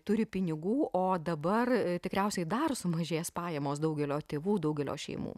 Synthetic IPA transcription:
t̪ʊɾʲɪpʲɪnʲɪɡuːʔoːd̪ɐbɐrt̪ʲɪkɾʲɛʊsʲɛɪd̪ɐrsʊmɐʒʲeːspɑːjɛmoːsd̪ɐʊɡʲɛlʲoːt̪ʲeːʋuːd̪ɐʊɡʲɛlʲo̰ːʃʲɛ̰ɪmṵː

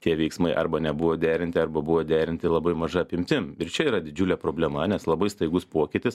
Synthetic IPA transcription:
t̪ʲiɛʋʲɛɪksmɐɪʔɐɾbɐnʲɛbʊʋoːd̪ʲæːɾʲɪnʲt̪ʲɪɐɾbɐbʊʋoːd̪ʲæːɾʲɪnʲt̪ʲɪlˠɐbɐɪmɐʒɐɐpʲɪmʲt̪ʲɪmɪɾt͡ʃʲɛiːɾɐd̪ʲɪd͡ʒʲʊlʲɛpɾoːbʲlʲɛmɐnʲɛslˠɐbɐɪst̪ɐɪɡʊspoːkʲɪt̪ʲɪs

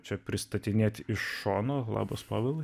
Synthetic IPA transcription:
t͡ʃʲɛpʲɾʲɪst̪ɐt̪ʲɪnʲeːt̪ʲɪʃːoːnoːlˠɑ̰ːbospɑːʋʲɛlˠ

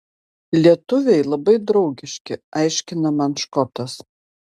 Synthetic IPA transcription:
lʲiɛt̪ʊʋʲɛɪlˠɐbɐɪd̪ɾɒʊɡʲɪʃʲkʲɪɐɪʃʲkʲɪnɐmɐnʃkɔt̪ɐs

